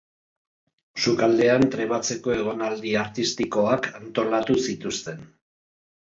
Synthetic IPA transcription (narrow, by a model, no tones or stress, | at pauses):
sukald̪e̞ant̪ɾe̞βat͡se̞ko̞e̞ɣ̞o̞nald̪iaɾt̪ist̪iko̞akant̪o̞lat̪usit̪ust̪e̞n